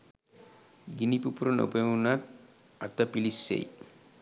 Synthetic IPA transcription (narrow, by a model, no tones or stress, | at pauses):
ɡinipupuɾono̰pemunat̪ | a̰t̪ːapilisːḛj